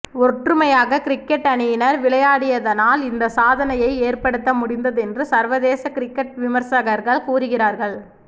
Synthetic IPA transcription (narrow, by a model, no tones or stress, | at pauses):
ɔʈrɯmɐjaːɣɐkɪɾɪkːɛʈːɐnɪjɪnɐɾʋɪɭɐjaːɽɪjɐðɐnaːlɪnd̪ɐsaːðɐnɐjɐɪeːrpɐɽɯt̪ːɐmʊɽɪnd̪ɐðɛndrɯsɐɾʋɐðeːsɐkɪɾɪkːɐʈʋɪmɐɾsɐɣɐɾɣɐɭkuːɾɯɣɪɾaːɾɣɐɭ